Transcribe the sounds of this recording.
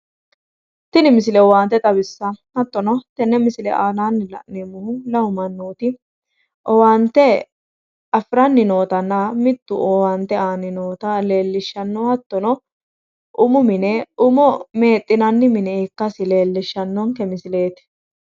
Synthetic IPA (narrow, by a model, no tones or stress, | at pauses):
t̪ɪnɪmɪs̬ɪlɛwaːnt̪ːɛt̪ʼɐbɪsːɐhɐt̪ːɔnɔt̪ɛnːɛmɪsɪlɛ̰ʔaːnaːnːɪlɐ̰ʔnemʊhʊlɐwʊmɐnːoːt̪ɪ | ʔɔwant̪ːɛ | ɐfɾɐnːɪnoːt̪ɐnːɐmɪt̪ːʊ̰ʔoːwant̪ːɛaːnːɪnoːt̪ɐle̞ːlːɪʃːɐnːɔhɐt̪ːɔnɔ | ʔʊmʊmɪnɛʊmɔme̞ːt̪ʼːɪnɐnːɪmɪnɛɪkːɐsɪle̞ːlːɪʃːɐnːɔŋkɛmɪsɪle̞ːt̪ɪ̥